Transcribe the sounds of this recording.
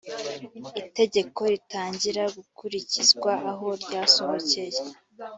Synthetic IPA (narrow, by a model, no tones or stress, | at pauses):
ite̞ɟe̞ko̞ɾitaːɲɟiɾaɡukuɾicizɡwaʔːɦo̞ɾɟaːso̞βoce̞je